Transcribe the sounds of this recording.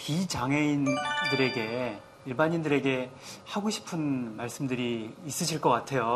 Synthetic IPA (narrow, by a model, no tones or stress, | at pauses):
pit͡ɕaŋe̞indɯɾe̞ɡe̞ | iɭbaɲindɯɾe̞ɡe̞haɡoɕʰi̥pʰɯnmaɭs͈ɯmdɯɾiːs͈ɯɕʰiɭk͈ʌk͈atʰe̞jo